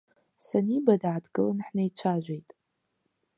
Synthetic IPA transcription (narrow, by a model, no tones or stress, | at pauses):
sanibadaʕadɡɨlɨnħnajt͡ʃʷʰaʒʷejtʼ